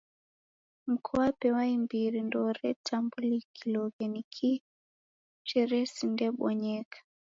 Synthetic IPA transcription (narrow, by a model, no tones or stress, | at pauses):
m̩kʰɔapɛwaimbiɾindɔɾɛtʰambulikʰilɔɣɛnikʰi | t͡ʃɛɾɛsindɛɓɔɲɛkḁ